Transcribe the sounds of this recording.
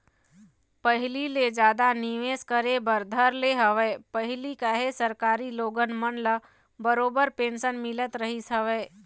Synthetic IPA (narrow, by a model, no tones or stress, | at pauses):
pəɦɪliled͡ʒaːd̪aniʋeːskəɾebəɾd̪ʱəɾleɦəʋeːpəɦɪlikaɦesəɾkaːɾiloːɡənmənlə | bəɾoːbəɾpẽːnʃənmɪlət̪ɾəɦisɦəʋeː